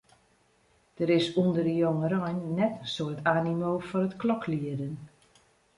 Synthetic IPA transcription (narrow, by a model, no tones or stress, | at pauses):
d̥əɾɪsundərəjoŋəɾɔjnːɛtsoətaːnimoːfɔnətklɔkliədən